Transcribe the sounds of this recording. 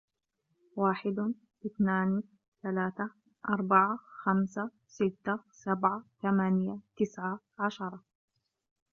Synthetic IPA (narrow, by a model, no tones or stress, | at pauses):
waːħɪd̪ | ʔɪθnaːn | θalaːθa | ʔɑɾˤbaʕaxamsa | sɪt̪ːasabʕat̪amaːnɪjat̪ɪsʕa | ʕaʃɑɾˤɑ